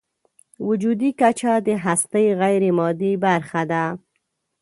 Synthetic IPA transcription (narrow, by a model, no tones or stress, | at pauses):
wʊd͡ʒud̪ikat͡ʃad̪əɦast̪əjɣajɾemɑd̪ibaɾxad̪a